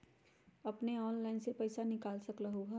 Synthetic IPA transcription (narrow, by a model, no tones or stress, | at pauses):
ɐpneɔːnlaːɪnsepɐɪsanɪkaːlsɐklɐɦoɦɛ